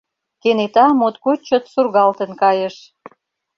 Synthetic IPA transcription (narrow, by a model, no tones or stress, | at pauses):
kenet̪ɑmot̪kot͡ɕot̪surɣɑlt̪ə̆nkɑjəʃ